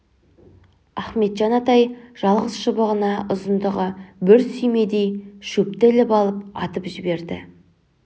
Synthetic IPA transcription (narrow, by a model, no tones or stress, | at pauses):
æχme̞t̪ʒɑnɑt̪ɑjʒ̥ɑlˠʁəzʃəbəʁənɑʔʊzənd̪əʁəbɪɾsʏjme̞d̪e̞jʃɵp̚t̪e̞lɪpɑlˠəp̚ɑ̰t̪əpʒɪbe̞ɾd̪ɪ̰